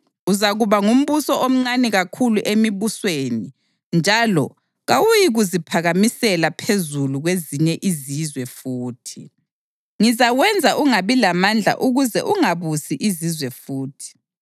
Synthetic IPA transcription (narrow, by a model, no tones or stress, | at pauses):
uzaɣuβaŋum̩βusɔʔom̩ŋ͡ǀanɛɣakʰuluʔemiβusweːni | nd͡ʒʱalɔ̰ | ɣawujiɣuzipʰaɣamisɛlapʰezuluɣweziɲɛʔizizwɛfuːtʰi | ŋizaɣwɛnd͡zʱaʔuŋaβilamand͡ɮʱa̰ʔuɣuzɛ̰ʔuŋaβusiʔizizwɛfuːtʰi̥